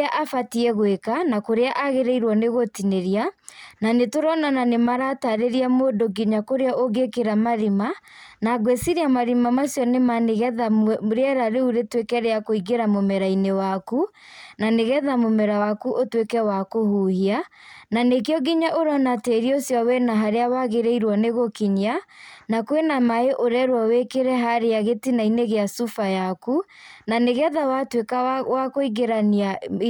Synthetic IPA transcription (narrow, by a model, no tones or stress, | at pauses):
ʔafatiɛɣwekanakoɾeaʔaɣeɾeiɾwɔneɣotineɾiananetoɾɔnananemaɾataɾeɾiamoːdoɡiɲakoɾeaʔoɡekeɾamaɾima | naɡwesiɾiamaɾimamasjɔnemaneɣɛðaɾeɛɾaɾeuɾetwekɛɾɛakoiɡeɾamomɛɾainewaku | naneɣɛðamomɛɾawakuʔotwekɛwakohuhiananek̬eɔɡiɲaʔoɾɔnateɾiosjɔwɛnaɦaɾeawaɣeɾeiɾwɔneɣokiɲanakwenamaeʔoɾɛɾwawekeɾɛɦaɾejaɣetinaineɣeasufajaku | naneɣɛðawatwekawakoiɣeɾana